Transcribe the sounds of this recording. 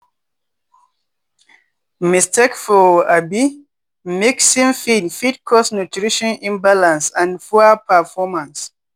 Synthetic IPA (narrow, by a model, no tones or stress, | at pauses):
mistʰekfɔabi | meksĩmfidfid̚kʰɔsnutʰɹiʃɔ̃nĩnbalãnsãnfɔapʰəfɔmãns